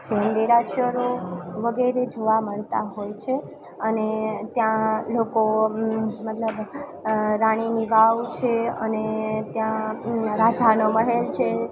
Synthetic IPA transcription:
d͡ʒend̪eɾaʃjəɾoʋəɡeɾed͡ʒoʋaməɭt̪a̰ɦojt͡ʃʰe | ənet̪jãloko | mət̪ləb | ɾaɽ̃iniʋaʋt͡ʃʰeənet̪jãɾad͡ʒanoməɦelt͡ʃʰe

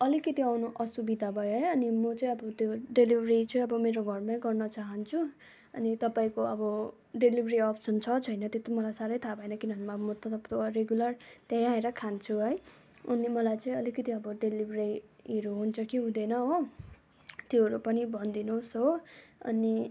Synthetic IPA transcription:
ʌlikʌt̪iawnoʔʌsubid̪ʱabʱʌjoɦʌjʌnimʌt͡sʌ̃ĩʌbʌt̪oɖelibʱrit͡sʰʌ̃ĩʌbʌmeɾoɡʱʌrmaɡʌrnʌt͡saɦʌnt͡sʰu | ʌ̰nit̪ʌpaĩkoʌbʌ | ɖelibʱɾiʌpsʌnt͡sʰʌt͡sʰʌjnʌt̪jot̪omʌlajsaɾʌjt̪ʰabʱʌenʌkinʌnmaʌmʌt̪ʌt̪ʌpt̪oɾeɡjulʌrt̪ajãɦeɾʌkʰant͡sʰuɦʌj | ʌnimʌlajt͡sʌ̃ĩʌlikʌt̪iʌbʌɖelibreiɾuɦunt͡sʰʌkiɦũd̪enʌɦo | t̪joɦʌɾupʌnibʱʌnd̪inosɦoʌ̰ni

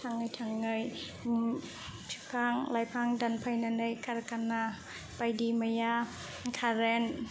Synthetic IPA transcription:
tʰaŋɯjtʰaŋːɯj | tʰipʰaŋlajpʰaŋdanpʰajnanɯjkʰaɾkana | pajdimaja | kʰaɾɛn

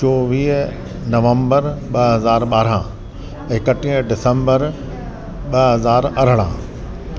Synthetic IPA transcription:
t͡ɕoːʋiːɦ | nɐʋə̃mbəɾɓɐɦɐzaːɾɓaːɾãː | kɐʈĩːɖɪsə̃mbəɾ | ɓɐɦɐzaːɾɐɾ̤əɽ̃ã̰ː

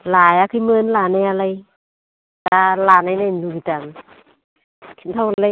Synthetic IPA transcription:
laːjakʰɯjməːnlaːnaalaj | talaːnajnajdukit̪aŋ | kʰi̥nt̪ʰala

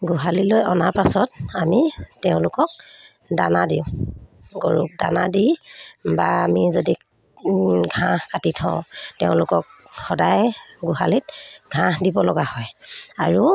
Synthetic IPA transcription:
ɡuɦalilojɔnaɹpasɔt̚amitɛʊ̃lʊkɔk̚ | danadiʊ̃ | ɡoɹṵda̰nadibaamizodi | ɡʱãhkatitʰɔ̃ʊ̃tɛʊ̃lʊkɔk̚ | xɔdajɡuhalit̚ɡʱãhdibɔlɔɡahɔjaɹu

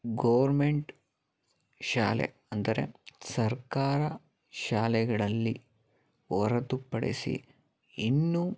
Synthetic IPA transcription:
ɡɐʋɐɾmeɳʈ | ʃaːlḛ | ɐnd̪ɐɾe̞̰sɐɾkaːɾɐ | ʃaːlɛɡɐɭɐlːi | ɔɾɐt̪upːɐɽḛsḭ | inːu

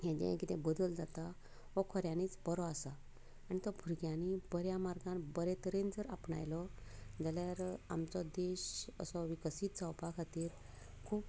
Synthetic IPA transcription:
jɛ̃d͡ʑɛ̰̃kit̪ɛ̃bəd̪əld͡zat̪a | ɦɔkʰɔɾjãniːt͡sbəɾɔasa | añit̪ɔbʱuɾɡjãnibəɾjamaɾɡãnbəɾɛt̪əɾẽnd͡zəɾapɳa̰jlɔd͡zaljaɾa̰mt͡sɔd̪eɕə̰sɔʋikəsiːt̪d͡zawpakʰat̪iːɾ | kʰuːp

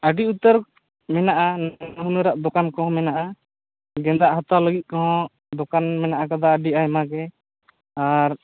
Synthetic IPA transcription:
əɖiut̪əɾ | mɛnaʔanaɦunəɾaʔd̪ɔkankɔɦɔ̃mɛnaʔa | ɡɛ̃nd̪aʔɦat̪aləɡit̪̚ˀkɔɦɔ̃ | d̪ɔkanmɛnaʔakad̪aəɖiajmaɡɛ | aɾ

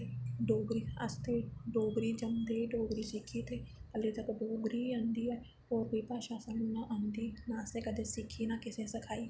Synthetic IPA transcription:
ɖoːɡɾia̰st̪eɖoːɡɾid͡ʒɐmɡɾiɖoːɡɾisikʰit̪ʰeɐlit̪ɐkɖoːɡɾiɐ̃nd̪iɛ | oːɾbiːpaʃaːsənunaʔɐnd̪inaːsekɐd̪esikʰinakɪsẽsɐkʰaːi

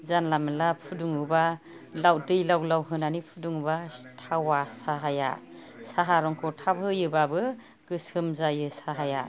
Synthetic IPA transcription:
zanlamɯlapʰuduŋɯba | lawdɯjlawlawɦɯnanipʰuduŋubatʰawasaɦaja̰saɦaɾɔŋkʰɔtʰabɯjɯbabɯ | ɡ̥ɯsɯmzajɯsaɦaja

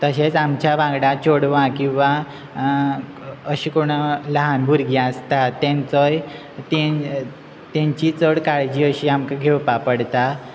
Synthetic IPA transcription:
t̪əɕet͡samt͡ɕjabãɡɽãt͡ɕoɽʋãkĩw̃ʋa | əɕiːkoɽ̃ləɦanbʱuɾɡiəst̪at̪ːẽnt͡sɔj | t̪e | t̪ẽɲt͡ɕit͡səɽkaɭd͡ʑiːəɕiamkaɡʱewpapəɽt̪a

